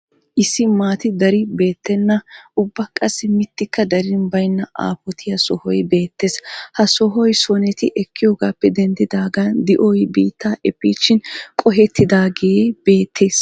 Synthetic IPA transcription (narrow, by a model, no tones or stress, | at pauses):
ʔɪsːɪmaːt̪ɪd̪ɐɾɪbe̞ːt̪ːɛnːɐʔʊbːɐkʼːɐsːɪmɪt̪ːɪkːɐd̪ɐɾɪnbɐjnːɐʔa̰ːpɔt̪ʰɪjɐsɔhɔjbe̞ːt̪ːeshɐsɔɦɔjsɔnɛt̪ɪʔɛkʰːɪjoːɡaːpːɛd̪ɛnd̪ɪd̪aːɡand̪ɪʔɔjbiːt̪ːaːʔɛpːiːʃɪnkʼɔɦɛt̪ːɪd̪aːɡeːb̥e̞ːt̪ʰːeːs